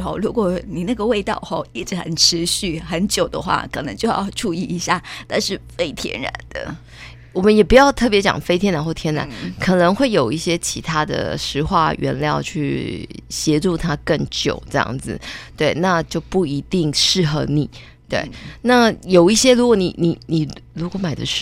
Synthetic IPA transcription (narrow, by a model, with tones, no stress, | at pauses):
o̰˧˩ʊɻu˧˥kwɔ˨˩ni˨˩na˥˩ɡə˩we˥˧ɪt̪ɑ̰˥˧ʊxa̰˥˩i˥˩ʈ͡ʂɻ̩˧˥xə˨˩nʈ͡ʂʰɻ̩˧˦ɕy˥˩xə˧˦nt͡ɕjo˨˩ʊd̪ə̰˦xwa̰˥˩kʰə˨˩nə˧˥ŋt͡ɕjo˥˧ʊjɑ̰˥˧ʊʈ͡ʂu˥˧i˥˩i˧˥ɕja̰˥˩t̪ʰa˥˧nʂɻ̩˥˩fe˥ɪt̪ʰjɛ̰˥nɻa̰˧˦nd̪̥ə̰˧ | wɔ˨˩mə˦njɛ˨˩pu˧˥jɑ˥˧ʊt̪ʰɤ˥˩p̬jɛ˧˥t͡ɕjɑ̰˨˩ŋfe˥ɪt̪ʰjɛ˥nɻa˧˥nxwo˥˩t̪ʰjɛ˥nɻa̰˧˦nkʰɤ˨˩nɤ˧˥ŋxwe˥˩ɪjo˨˩ʊi˥˩ɕjɛ˥t͡ɕʰi˧˥t̪ʰa˥d̪ə̰˨ʂɻ̩˧˥xwa̰˥˩ɥɛ̰˧˥nljɑ̰˥˧ʊt͡ɕʰy˥˩ɕjɛ˧˥ʈ͡ʂu˥˧t̪ʰa˥kə˥˩ŋt͡ɕjo̰˨˩ʊʈ͡ʂɤ˥˧jɑ̰˥˩ŋd͡zɹ̩˩t̪we˥˩ɪna˥˧t͡ɕjo˥˧ʊpu˥˩i˧˥t̪i˥˧ŋʂɻ̩˥˩xɤ˧˥ni˨˩ | t̪we˥˩ɪna˥˩jo˨˩ʊi˥˩ɕjɛ˥ɻu˧˥kwɔ˨˩˦ni˨˩ni˨˩ni˨˩ɻu˧˥kwɔ˧˥˦ma˨˩ɪd̪ə˦ʂ